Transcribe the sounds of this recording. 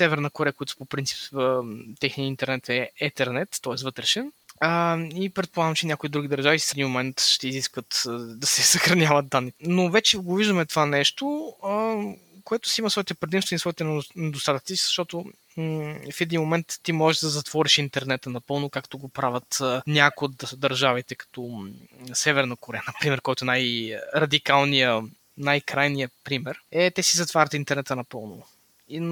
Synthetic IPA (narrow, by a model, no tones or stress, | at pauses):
sɛvɛɾnɐkoɾɛəkojat̪ʊ̥popɾint̪si̥p | t̪ɛxniəint̪ɛɾnɛt̪ɛɛt̪ɛɾnɛt̪ːɔɛsvɤt̪ɾɛʃɛnəipɾɛt̪polˠaɡəmt͡ʃɛnʲjakoid̪ɾuɡ̟id̪əɾʒavisifɛd̪inmomɛnt̪ʃt̪ɛiziskvət̪d̪ɐsɛsɐxɾɐnʲjavɐt̪̚d̪anːinovɛt͡ʃɛɡoviʒd̪əmɛt̪vanɛʃt̪oə | koɛt̪ʊ̥siimɐsvɔɛt̪ɛpɾɛd̪imst̪vʲɛnsvɔit̪ɛnnɛd̪ost̪at̪ək̪sizɐʃt̪ɔt̪o | fɛd̪inmomɛnt̪ːimɔʒɛʒd̪ɐzɐt̪v̥ɔɾiʃint̪ɛɾnɛt̪ənɐpɤlˠnʊkakt̪oɡopɾavʲət̪ənʲakod̪d̪ɐɾʒavit̪ɛkɐ̥t̪ɔ | sɛvɛɾnɐkoɾɛjənɐpɾimɛɾkɔjt̪oɛnajɾɐd̪ikalˠnijə | najkɾajnijəpɾimɛɾɛt̪ɛsizɐt̪vaɾʲət̪int̪ɛɾnɛt̪ənɐpɤlˠno | i